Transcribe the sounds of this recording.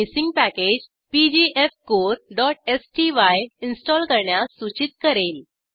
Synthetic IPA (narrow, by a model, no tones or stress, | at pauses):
isiŋɡ̚pæked͡ʑ | pid͡ʑiʔefkoɾɖɔʈ̚esʈiʋajinsʈɔlkəɾɳjasut͡ɕit̪̚kəɾel